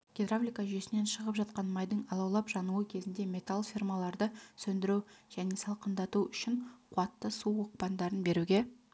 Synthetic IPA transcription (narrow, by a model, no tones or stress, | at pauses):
ɡ̥ʲed̪rablʲijkaʒʏje̞sɪne̞nʃəʁəpʒɑt̪̚qɑnmɑjd̪əɴɑlˠɑwlˠɑpʒɑnuəkʲʰe̞zɪnd̪e̞mʲe̞t̪alˠfʲirmalˠɑɾd̪əsɵnd̪ɪɾuʒ̥æne̞sɑlˠqənd̪ɑt̪uʏʃɪɴqʰʊɑt̪ːəsuwoq̚pɑnd̪ɑɾənbe̞ɾuɡʲe̞